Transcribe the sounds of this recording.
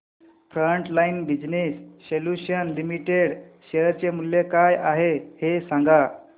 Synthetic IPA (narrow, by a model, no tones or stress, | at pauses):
fɾəɳʈlainbid͡ʑnisːeljuɕənlimiʈeɽɕeəɾt͡ɕemuljekajaɦehesãŋɡa